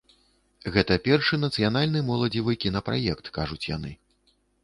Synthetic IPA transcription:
ɣɛt̪ɐpʲɛrʂɨnɐt̪sɨjanalʲnɨmɔlˠɐd͡zʲivɨkʲinɐpɾa̰jɛkt̪kaʐut͡sʲja̰nɨ

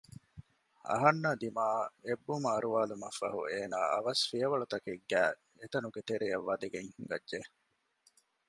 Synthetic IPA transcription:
ɐ̰ɦɐnːɐd̪imaːebːumɐɐɾuʋaːlumɐfːɐ̰ɦṵeːnaːɐ̰ʋɐsfiɐʋɐɭut̪ɐkeɡːæː | et̪ɐnuɡet̪eɾijɐʋːɐd̪eɡeŋhiŋɡɐ̰dʒe

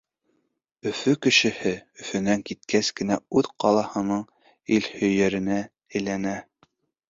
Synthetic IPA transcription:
ɵ̆fɵkɘ̆ʃɘ̆hɘɵ̆fɵ̆næŋkit̪̚kæskɘ̆næʉðqɑlˠɑhɤ̆nɤɴ | ilhɵ̆jæɾɘ̆næ | ɘ̆jlænæ

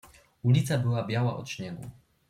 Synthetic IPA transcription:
ulʲit̪sabɘwabʲjawa̰ʔɔ̰t͡ʂɲɛɡṵ

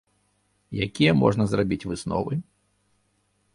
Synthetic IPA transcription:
jakʲijɛmɔ̰ʐnɐzrabʲit͡sʲvɨsnɔ̰vɨ

